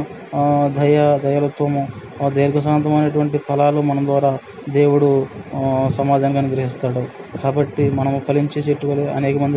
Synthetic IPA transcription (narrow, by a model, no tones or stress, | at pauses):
d̪ʱɐjɐd̪ʱɐjɐlɐt̪ʋɐmu | d̪eːɾɡɐs̬aːnt̪ɐmɐjnɐʈuʋɐɳʈikʰɐlaːlumɐnɐmd̪ʋaːɾaː | d̪e̞ːwuɽu | sɐmaːd͡ʒaːnkaːniɡɾɐɦist̪aːɽu | kaːbɐʈːimɐnɐmupʰɐliɲt͡ʃiseʈːukɐleːɐ̰nɛːkɐmɐnd̪i